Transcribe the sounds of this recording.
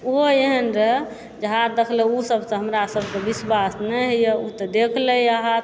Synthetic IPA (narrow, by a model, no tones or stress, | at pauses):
uɦoeɦənɾəɦɛ | d͡ʒəɦat̪̚d̪ekʰlɛusəbsẽɦəmɾasəbʱsẽbiswasnɛɦjɛut̪ɔd̪ekʰlɛaɦat̪̚